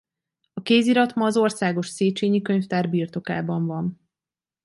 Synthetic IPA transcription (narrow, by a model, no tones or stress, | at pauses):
ɒkeːziɾɒt̪mɒːzo̞rsaːɡo̞ʃseːt͡ʃeːɲikø̞ɲft̪aːrbiːrt̪o̞kaːbɒɱvɒn